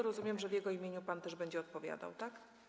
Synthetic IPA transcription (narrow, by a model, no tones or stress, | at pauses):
ɾɔzumʲjɛmʐɛvjɛɡɔimʲjeɲupant̪ɛʐbɛɲd͡ʑɛɔt̪̚pɔvʲja̰d̪a̰wt̪ak